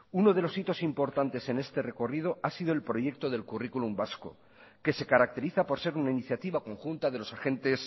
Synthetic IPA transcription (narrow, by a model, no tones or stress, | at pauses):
uno̞ðe̞lo̞sit̪o̞simpo̞ɾt̪ant̪e̞se̞ne̞st̪e̞re̞ko̞rið̞o̞asiðo̞e̞lpɾo̞ʝe̞k̚t̪o̞ðe̞lkurikulumbasko̞̰ | ke̞se̞kaɾak̚t̪e̞ɾiθapoɾse̞ɾunainiθjat̪iβako̞ŋxunt̪að̞e̞lo̞saxe̞nt̪e̞s